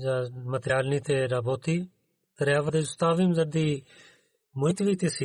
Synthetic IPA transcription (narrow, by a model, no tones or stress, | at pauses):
d͡ʒaːmət̪jaːlniːt̪eːɾaːboːt̪iː | t̪əɾjaːʋəd̪eːʊst̪aːʋiːməzəd̪d̪iː | mʊɪt̪ʋiːt̪eːsiː